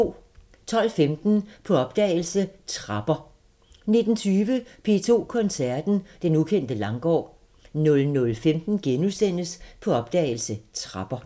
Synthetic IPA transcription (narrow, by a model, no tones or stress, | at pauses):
o̰ː | t͡sʰɒ̽l̰femd̥n̩pʰɒ̽ɒ̽b̥̚d̥ɛ̰ːɪl̩sət͡sʰʁɑ̈b̥ɐ | ne̝d̥n̩t͡sʰyːʋəpʰe̝ːt͡sʰo̝̰ːkʰɒ̽nsæɐd̥n̩d̥enukʰen̰d̥əlɑ̈ŋɡ̥ɒ̰ː | nɔ̽lnɔ̽lfemd̥n̩ɡ̥enusen̰əspʰɒ̽ɒ̽b̥d̥ɛ̰ːɪl̩sət͡sʰʁɑ̈b̥ɐ